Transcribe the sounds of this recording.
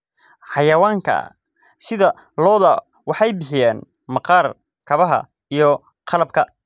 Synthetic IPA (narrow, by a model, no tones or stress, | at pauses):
ħɑjɐwaːŋkʰɐ̰ | sɪðɐ | lɔːðɐ | wɑħɑjbɪħɪjaːn | mɑqɑːr | kʰɐβɐɦɐ̰ | ijɔ | qʰɑlɐb̚kʰɐ